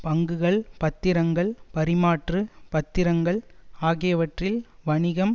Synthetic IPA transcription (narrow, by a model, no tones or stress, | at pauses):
pɐŋɡɯɣɐɭpɐt̪ːɪɾɐŋɡɐɭpɐɾɪmaːʈrɯpɐt̪ːɪɾɐŋɡɐɭaːɣɪjɐʋɐʈrɪlʋɐɳɪɣɐm